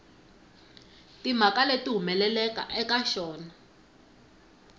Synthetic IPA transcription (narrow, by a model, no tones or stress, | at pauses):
tim̤akaletʼiɦumɛlɛlɛka̰ʔɛkaʃɔːna